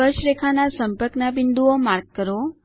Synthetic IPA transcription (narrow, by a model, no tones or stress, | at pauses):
əʃɾekʰanasəmpəɾknabɪnd̪uomaɾɡ̚kəɾo